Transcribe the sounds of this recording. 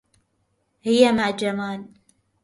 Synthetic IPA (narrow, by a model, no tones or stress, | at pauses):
hɪjːamaʕd͡ʒamaːl